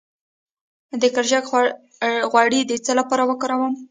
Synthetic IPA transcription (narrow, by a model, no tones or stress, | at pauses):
d̪əkaɾʒak | ɣwaɽid̪ət͡səlapɑɾawəkɑɾawəm